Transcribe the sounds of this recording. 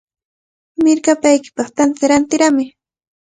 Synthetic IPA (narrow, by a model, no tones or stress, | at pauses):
mɪɾkapajkɪ̥pɑχt̪ant̪aɾant̪ɪɾamɪ